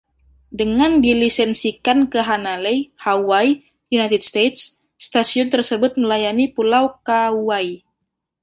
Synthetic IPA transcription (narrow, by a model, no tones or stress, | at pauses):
dəŋandilisɛnsikankəɦanalɛjhawaj | junajt̪ɛd̚st̪et̪̚sː | t̪asiʊnt̪ərsəbʊt̪̚məlajanipulawkauaj